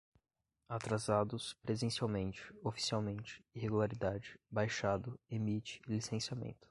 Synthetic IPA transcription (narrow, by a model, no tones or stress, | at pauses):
at̪ɾazad̪ʊspɾezẽsiawmẽnt͡ʃɪ̥ofi̥siawmẽnt͡ʃɪ̥iɦeɡulaɾid̪ad͡ʒɪbajʃad̪ʊemit͡ʃɪ̥lisẽsiamḛ̃nt̪ʊ̥